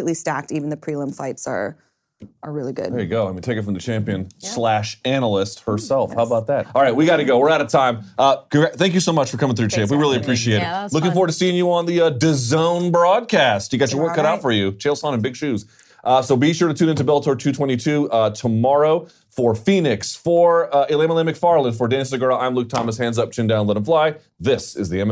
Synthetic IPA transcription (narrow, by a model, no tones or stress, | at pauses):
ʔlistæk̚tivn̩ðɨpʰɹ̥ilˠɪ̃mfaɪpsə̰˞ | ʔə˞ɹɪlˠiɡʊ̰d̥eɪɡoʊ̃mĩntʰeɪkɨtfɹʌ̃mðɨt͡ʃʰæ̃mpiɨ̃nslæʃænl̩ˠɪst̚hə˞sɛlˠfhaʊəbaʊt̪̚ðæt̚ɑlˠɹaɪt̚wiɡɑtɾɨɡoʊwɪɹaʊɾɨtʰãɪ̃mʔʌθæ̃ŋkjɨsoʊmʌt͡ʃfə˞kʰʌ̃mɪ̃ŋθɹʉt͡ʃʰæɪp̬wiɹɪlˠiɨpʰɹ̥iʃieɪɾɨtlʊkɪ̃ŋfɔɹwə˞tʰɨ̥siɪ̃ŋjəə̃nðɨʌdɨzõʊ̃nbɹɔd̚kʰæsthɨɡɑt͡ʃə˞wɜ˞kʰːʌɾaʊtfə˞jʉt͡ʃʰeɪlˠsɑ̃nɨ̃nbɪɡ̥ʃʉz̥ | ʔʌsoʊbiʃʊɹɾɨtʰʉ̃nɪ̃ntɨbɛlˠtʰɔɹtʰʉtʰw̥ɛ̃ɾ̃itʰʉʌtʰəmɑɹoʊ | fə˞fĩnɪksfə˞ɪlˠẽməlɛ̃mɨkfɑɹlˠə̃nfə˞dæ̃nsə˞ɡɜ˞lˠãɪ̃mluk̚tʰɑməshæ̃ndzʌp̚t͡ʃʰɪ̃ndãʊ̃nlɪ̃ɾə̃n̩flaɪ | ðɪsɨ̰zðiɛ̃m